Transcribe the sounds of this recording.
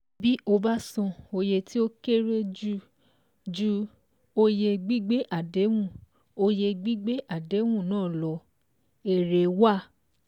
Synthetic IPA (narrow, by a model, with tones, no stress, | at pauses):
bi˦ʔo˧ba˦sɔ̃˧o˧je˧ti˦o˦ke˦ɾe˦d͡ʒu˦ | d͡ʒu˧˦ | o˧je˧ɡ͡bi˦ɡ͡be˦ʔa˨de˨˦wũ˦˨ | o˧je˧ɡ͡bi˦ɡ͡be˦ʔa˦˨de˨˦wũ˦˨nãː˦˨lɔ˧ | e˨ɾe˨wa˦˨